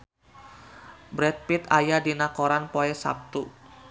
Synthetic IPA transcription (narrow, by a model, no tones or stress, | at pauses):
bɾɛt̪̚pit̪ajadinakoɾanpoɛsa̰p̚t̪u